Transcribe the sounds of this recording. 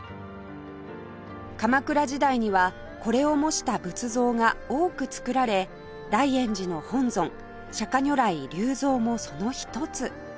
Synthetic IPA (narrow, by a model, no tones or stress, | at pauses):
kamakɯ̟ɾaʑid̪aiɲ̟iβa | ko̞ɾe̞o̞mo̞ɕi̥t̪abɯ̟t͡sɨzo̞ːŋao̞ːkɯ̟t͡sɨ̥kɯ̟ɾaɾe̞ | d̪aiẽ̞ɲ̟d͡ʑino̞hõ̞nzõ̞ŋ | ɕakaɲʲo̞ɾaiɾʲɨːzo̞ːmo̞so̞no̞çi̥t̪o̞t͡sɨ